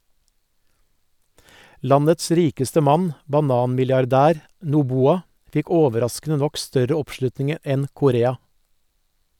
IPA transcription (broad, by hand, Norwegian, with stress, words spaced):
ˈlɑnəts ˈɾiːkəstə ˈmɑn bɑˈnɑːnmɪljɑɾˌdæːɾ nuːˈbuːɑ ˈfɪk ˈoːʋəˌɾɑskn̩ə ˈnɔk ˈstœɾə ˈɔpˌʃlʉtnɪŋ ˈɛn kʊˈɾeːɑ